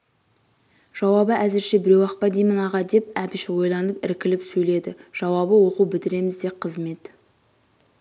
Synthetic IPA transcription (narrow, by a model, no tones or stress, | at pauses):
ʒ̥ɑwɑbəʔæzɪɾʃebɪɾe̞wɑqpɑd̪ijmɪnɑʁɑd̪e̞p̚æpɪʃwo̞jlˠɑnəpɪɾkʲɪlɪpsɵjle̞d̪ɪʒ̥ɑwɑbəwo̞qubɪt̪ɪɾe̞mɪzd̪e̞qʰəzme̞t̪